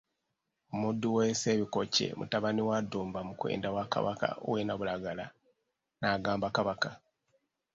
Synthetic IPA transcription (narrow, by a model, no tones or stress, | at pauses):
omudːuwese̞ːβiko̞ce̞̰mṵtaβaniwadːuːmbamukwḛːndawaka̰βaka̰o̰wenaβulaɡala | naːɡaːmbakaβaka